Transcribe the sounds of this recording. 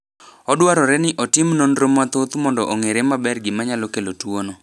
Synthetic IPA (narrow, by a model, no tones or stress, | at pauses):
ɔdwaɾɔɾɛnɪʔɔtɪmnonɾomːat̪ot̪umɔndɔʔoŋeɾemabɛrɡɪmaɲalokelotwono